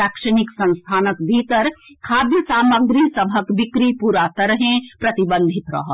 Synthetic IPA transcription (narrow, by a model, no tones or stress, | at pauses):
akʃəñɪksɐ̃nst̪ʰaːnəkbʱiːt̪əɾkʰaːd̪jəsaːməɡɾisɐbʱəkbɪkɾipuɾaːt̪əɾəɦẽpɾɐt̪ibə̃nd̪ʱit̪ɾɐ̰ɦə